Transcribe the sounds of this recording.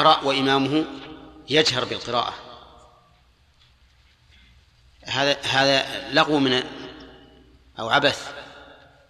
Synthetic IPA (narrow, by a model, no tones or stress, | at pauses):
ɾˤɑːʔwaʔɪmaːmʊɦʊjad͡ʒɦɑɾˤbɪlqɨɾa̰ːʔa | haːðaɦaːðalɑqwmɪn | ʔawʕabaθ